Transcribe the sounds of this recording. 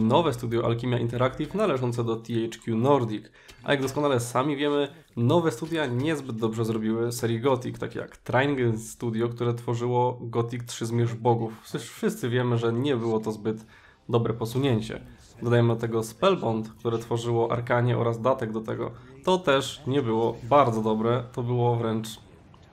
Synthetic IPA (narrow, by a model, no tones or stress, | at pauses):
nɔvɛst̪ud̪ʲjɔʔa̰lkʲimʲjaʔḭnt̪ɛɾakt̪ʲifnalɛʐɔnt̪sɛd̪ɔt̪ʲiɛjt͡ʂkʲjunɔɾd̪ʲik | ʔa̰jaɡd̪ɔskɔnalɛsamʲivʲjɛmɘ | nɔvɛst̪ud̪ʲjaɲɛzbɘd̪̚d̪ɔbʐɛzɾɔbʲiwɘsɛɾʲjiɡɔt̪ikt̪akʲeja̰kt̪ɾajŋɡɛnsst̪ud̪ʲjɔkt̪uɾɛt̪fɔʐɘwɔɡɔt̪ʲik̚tʂɘzmʲjɛʐbɔɡufʂɘʂfʂɘst̪sɘvʲjɛmɘʐɛɲɛbɘwɔt̪ɔzbɘt̪ | d̪ɔbɾɛpɔsuɲeɲt͡ɕɛ̰ | d̪ɔd̪ajɛmɘd̪ɔt̪ɛɡɔspɛlbɔnt̪kt̪uɾɛt̪fɔʐɘwɔʔa̰ɾkaɲɛʔɔ̰ɾazd̪at̪ɛɡd̪ɔt̪ɛɡɔ̰t̪ɔt̪ɛʂɲɛbɘwɔbaɾd̪zɔd̪ɔbɾɛt̪ɔbɘwɔvɾɛnt͡ʂ